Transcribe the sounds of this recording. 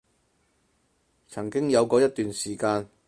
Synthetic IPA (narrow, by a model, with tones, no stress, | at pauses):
t͡sʰɐ˨˩ŋkɪ˥ŋjɐ˨˧wkɔː˨˧jɐ˥t̚t̪yː˨nsiː˨˩kaː˧n